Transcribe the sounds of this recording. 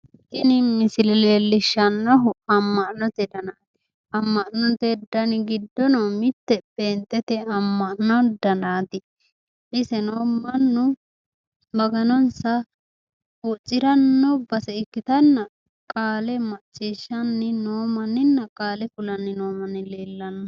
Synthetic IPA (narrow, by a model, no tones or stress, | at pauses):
tɪnɪmɪsɪlɛleːlːɪʃːɐnːɔɦʊɐmːɐʔnɔt̪ɛd̪ɐnaːt̪ɪ̥ | ɐmːɐʔnɔt̪ɛd̪ɐnɪɡɪd̪ːɔnomɪt̪ːɛbe̞ːnt̪ʼːɛt̪ɛɐmːɐʔnɔd̪ɐnaːt̪ɪ | ʔɪsɛnoːmːɐnːʊ | bɐɡɐnɔnsɐ | ut͡ʃʼːɪɾɐnːɔbɐsɛɪkːɪt̪ɐnːɐ | kʼaːlɛmɐt͡ʃʼːiːʃːɐnːɪnoːmɐnːɪnːɐkʼaːlɛkʊlɐnːɪno̞ːmɐnːɪle̞ːlːɐnːɐ